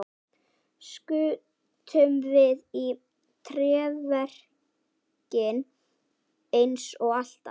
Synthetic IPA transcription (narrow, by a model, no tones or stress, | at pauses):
skʏ | t̪ʰœmvɪði | t̪ʰɾɛːvɛr̥ | cɪn | ejnsɔɣal̥t̪a̰